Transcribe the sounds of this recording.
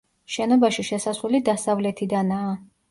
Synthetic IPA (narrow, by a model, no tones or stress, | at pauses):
ʃɛnɔbaʃiʃɛsasulid̪asavlɛt̪ʰid̪anaː